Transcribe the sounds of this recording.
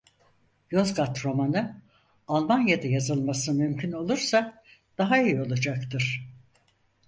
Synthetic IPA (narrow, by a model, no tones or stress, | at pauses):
jozɡat̪ɾo̞manɯ | alˠmanjad̪ajazɯlˠmasɯmymcʰyno̞lˠuɾsa | d̪̥aɦaijo̞lˠad͡ʒakt̪ʰɯɾ̥